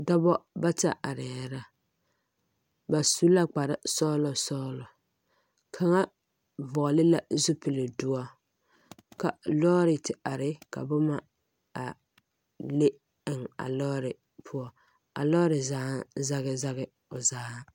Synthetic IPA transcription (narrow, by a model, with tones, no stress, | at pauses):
da˦bɔ˦ba˦ta̰˨ʔa˨ɾɪ˨ɾa˦ | ba˨su˦la˦k͡pa˨ɾɪ˦sɔ˦lɔ˨sɔː˦lɔ˨ | kʰa˨ŋa˦ | vɔ˨lɪ˦la˨zʊ˦pɪ˨lɪ˨dʊ˦a˦ | ka˨lɔː˦ɾɪ˨tɪ˨a˨ɾɪ˦ka̰˨bʊ˦ma˦ | a˨ | le˦ | ɪ˨ŋa̰˨lɔː˦ɾɪ˨ | pʰʊ˦ɔ˦ | a̰˨lɔː˦ɾɪ˨zaː˦za˦ɣɪ˦za˦ɣɪ˦ | ʊ˨zaː˦